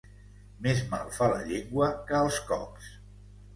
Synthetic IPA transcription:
mezma̰lˠfalə̰ʎeŋɡwəkəːlˠskɔ̰ps

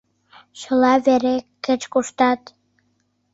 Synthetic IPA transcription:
ʃə̆lɑβeɾekːət͡ɕkuʃt̪ɑt̪

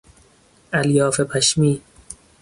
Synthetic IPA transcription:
ʔæljɒːfepʰæʃmiː

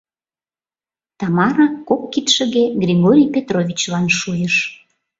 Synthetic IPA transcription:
t̪ɑmɑɾɑkokːit̪ʃə̆ɣeɡrʲiɣoɾʲijpet̪rovʲit͡ɕlɑnʃujəʃ

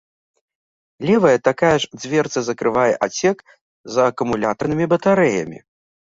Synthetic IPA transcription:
lʲɛvɐjɐt̪akajɐʐd͡zʲvʲɛrt̪sɐzɐkɾɨvajɛʔat͡sʲɛk | zɐːkumulʲat̪ɐrnɨmʲibɐt̪aɾɛjɐ̰mʲḭ

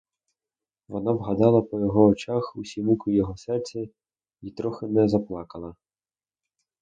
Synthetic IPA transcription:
ʋɔnɑʋɦɐd̪ɑlˠɐpɔjɔɦɔːt͡ʃɑxusʲimukʊjɔɦɔsɛrt͡sʲɛ | it̪ɾɔxɪnɛzɐplˠɑkɐlˠɐ

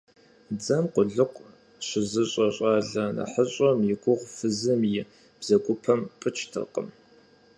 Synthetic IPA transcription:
d͡zɐmqʷʊɮɨqʷ | ɕɪzɨɕʼɐɕʼɑːɮɐnɐ̰ħəɕʼɐmjɪɡʷʊʁfɨzɨmjɪ | b̥z̥ɐɡʷʊpʰɐmpʼɨt͡ʃʰtʰɨ̰qʼə̰m

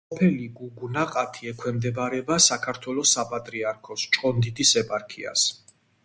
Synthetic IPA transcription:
pʰɛliɡuɡunaqʼat̪ʰiɛkʰwɛmd̪ɛbaɾɛbasakʰaɾt̪ʰwɛlɔsapʼat̪ʼɾiaɾkʰɔst͡ʃʼqʼɔnd̪id̪isɛpʼaɾkʰia̰s

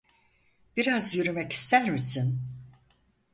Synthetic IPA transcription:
b̥iɾazjyɾymɛci̥st̪ʰæɾmisin

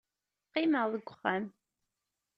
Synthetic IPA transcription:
qːɪməʁðəɡʷːʊχːæm

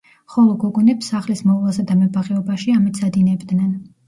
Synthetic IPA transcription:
χɔlˠɔɡɔɡunɛpsaχlismɔvlˠasad̪amɛbaʁɛɔbaʃiamit̪sad̪inɛbd̪nɛn

